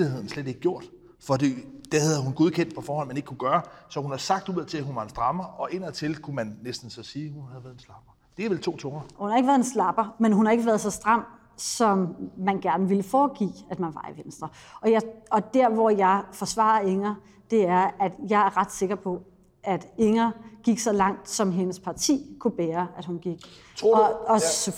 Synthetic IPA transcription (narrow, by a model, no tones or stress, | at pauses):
lihe̝ð̰ˠn̩sled̥e̝ɡ̥əɡjo̝ɐ̰d̥ | fɒ̽d̥ḭːd̥ehæðˠɐɦunɡ̥o̝ðˠkʰen̰d̥̚pʰɒ̽fɒːhɒ̽n̰mæne̝ɡ̥kʰːuɡ̥ɶːɐsɒ̽hunhɑ̈sɑ̈ɡ̥̚d̥uð̰ˠt͡sʰe̝lhunʋɑ̈e̝nsd̥ʁɑ̈mɐʔɒ̽ʔe̝n̰ɐt͡sʰe̝lkʰumænːesd̥n̩sɒsiːhunhæð̩ˠʋæːðˠenslɑ̈b̥ɐ | d̥e̝æʋelt͡sʰo̝̰ːt͡sʰoŋɐhunhɑe̝ɡ̥əʋæɐð̩ˠenslɑ̈b̥ɐmenɦunhɑ̈e̝ɡ̥əʋæːɐðˠsɒ̽sd̥ʁɑ̈m̰ | sɒ̽mmænɡ̥æɐnəʋiləfɒːɡ̥ḭːæd̥mænʋɑ̈ḭʋensd̥ʁɐɒ̽jɑɒ̽d̥æɐ̰ʋɒjɑ̈ɪfɒ̽sʋɑ̰̈ːɐe̝ŋɐ | d̥e̝æɐæd̥jɑ̈ɪæɐʁɑ̈d̥se̝ɡ̥ɐpʰɒ̽ | ʔæd̥eŋɐɡ̥iɡ̥sɒ̽lɑ̈ŋ̰d̥sɒ̽mɦe̝nəspʰɑ̈t͡sʰḭːkʰub̥eːɐʔæd̥hunɡ̥iɡ̥